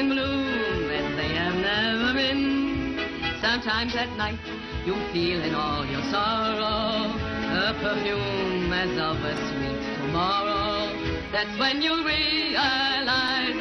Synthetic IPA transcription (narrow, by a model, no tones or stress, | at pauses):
nblumɨ̃nðeɪɛvnɛvə˞bɪ̃n | sʌ̃mtʰãɪ̃mzɨt̚ⁿnaɪt̚ | jufilɪ̃nɔlˠjɔsɔɹoʊ | əpʰə˞fjumɨzʌvəswittʰumɔɹo | ðætswɛ̃njuɹiəlaɪn